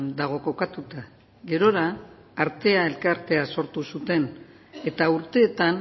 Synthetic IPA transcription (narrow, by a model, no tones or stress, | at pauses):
nd̪aɣ̞o̞ko̞kat̪ut̪a | ɡe̞ɾo̞ɾaː | ɾt̪e̞ae̞lkaɾt̪e̞aso̞ɾt̪usut̪e̞n | e̞t̪auɾt̪e̞ːt̪an